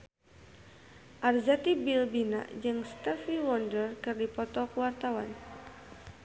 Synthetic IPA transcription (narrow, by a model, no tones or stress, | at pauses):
ʔarzat̪ibilbina̰ʔd͡ʒɨŋst̪əfiwɔndərkɨrdipɔt̪ɔkəwart̪awan